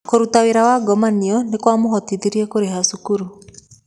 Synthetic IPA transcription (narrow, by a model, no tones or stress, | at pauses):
koɾutaweɾawaɡɔmaniɔnekwamoɦɔtitiɾiɛkoɾeɦasukuɾu